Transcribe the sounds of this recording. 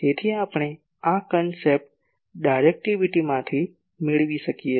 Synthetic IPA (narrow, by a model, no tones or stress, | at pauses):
eːt̪ʰiaːpɽ̃e | akənsep̚ʈ̚ | ɖaɪɾek̚ʈiʋɪʈimãt̪ʰi | mɪɭʋisɐkie